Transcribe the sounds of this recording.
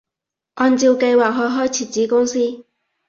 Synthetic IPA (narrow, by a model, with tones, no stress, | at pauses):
ʔɔː˧nt͡siː˧wke˧jwaː˨k̚ɦɔː˨˧jɦɔː˥jt͡sʰiː˨˧˩t͡siː˨˥kʊ˥ŋsiː˥